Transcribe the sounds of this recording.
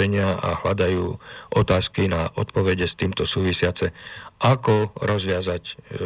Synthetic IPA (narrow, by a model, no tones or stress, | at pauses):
ɛɲɪaa̰ɦlad̪ajuːʔɔt̪aːskinaʔɔt̪pɔʋɛɟɛst̪iːmt̪ɔsuːʋisɪat͡sɛʔakɔɾɔzʋɪazac